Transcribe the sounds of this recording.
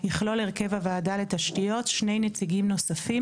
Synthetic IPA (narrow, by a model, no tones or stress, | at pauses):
jiχlo̞leʁke̞vhavaːdale̞t̪aʃtijo̞tʃne̞jnet͡siɡimno̞safi